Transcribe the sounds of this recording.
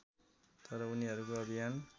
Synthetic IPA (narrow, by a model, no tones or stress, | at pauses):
t̪ʌɾʌuniɦʌɾukoʌbʱijan